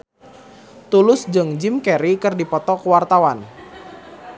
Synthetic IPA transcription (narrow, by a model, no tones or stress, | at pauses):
t̪ulʊsd͡ʒɨŋd͡ʒɪmkɛɾikɨrdipɔt̪ɔkuwart̪awan